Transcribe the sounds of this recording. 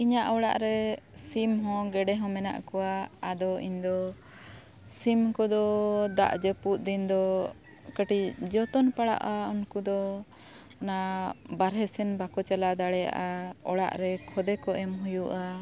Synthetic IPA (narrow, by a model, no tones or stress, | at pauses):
iɲaʔɔɽa̰ʔɾɛsimɦɔ̃ɡɛɖɛɦɔ̃mɛna̰ʔkɔwaad̪ɔiɲd̪ɔ | simkɔd̪ɔd̪a̰ʔd͡ʒəput̪̚d̪ind̪ɔ | kəʈicd͡ʒɔt̪ɔnpaɽa̰ʔaunkud̪ɔ | nabaɾɦɛsɛnbakɔt͡ʃalad̪aɽɛja̰ʔaɔɽa̰ʔɾɛkʰɔd̪ɛkɔʔɛmɦujuʔa